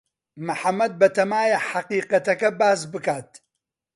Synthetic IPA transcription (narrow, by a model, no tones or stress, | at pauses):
mɨħamːɐd̪̚bɐt̪ʰɐmaːjɐħaqiːqɐt̪ɐkɐbaːs̬bɨkaːt̪